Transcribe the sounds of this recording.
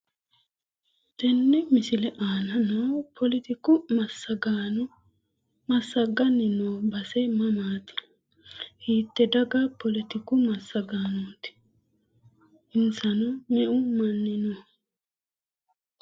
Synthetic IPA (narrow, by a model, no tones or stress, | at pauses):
t̪ɛnːɛmɪsɪlɛʔaːnɐnoːpʰɔlɪt̪ɪkʊmɐsːɐɡaːnʊ | mɐsːɐɡɐnɪnoːbɐsɛmɐmaːt̪ɪ̥ | hiːt̪ːɛd̪ɐɡapʰɔlɪt̪ɪkʊmɐsːɐɡaːnuːt̪ɪ̥ | ɪnsɐnʊmɛʔʊmɐnːɪnoː